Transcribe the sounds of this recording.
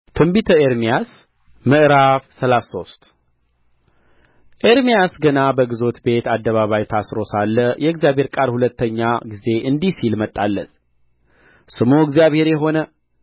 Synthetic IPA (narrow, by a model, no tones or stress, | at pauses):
t̪ʰɨmbit̪ʰəeɾmijas | mɨʔɾaβsəlaso̞st̪ | ʔeɾmijasɡənabəɡɨzo̞t̪be̞t̪ad̪ːəβaβajt̪ʰasɾo̞salːəjʔɛɨɡzijaβhe̞ɾkʼaɾhulət̪ːəɲːaɡize̞ʔɨnd̪isilmət̪ʼːalːə̰t̪ | sɨmoɨɡzijaβhe̞ɾjɛɦo̞nə